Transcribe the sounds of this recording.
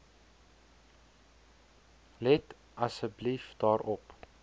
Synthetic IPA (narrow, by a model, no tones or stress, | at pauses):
lɛt | ɐsəblifd̥ɑːɾʔɔp